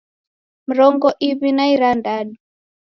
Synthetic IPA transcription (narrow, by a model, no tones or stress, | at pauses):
m̩ɾɔŋɡɔʔiβinaiɾandaɗu